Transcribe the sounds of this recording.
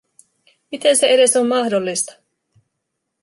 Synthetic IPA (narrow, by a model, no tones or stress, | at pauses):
mit̪e̞nse̞e̞ɾe̞so̞mːɑhdolːist̪ɑ̥